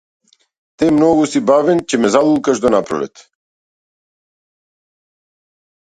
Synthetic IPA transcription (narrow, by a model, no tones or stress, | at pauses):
t̪ɛmnɔɡusibavɛnt͡ʃɛmɛzalˠulˠkaʒd̪ɔnapɾɔ̰lɛ̰t̪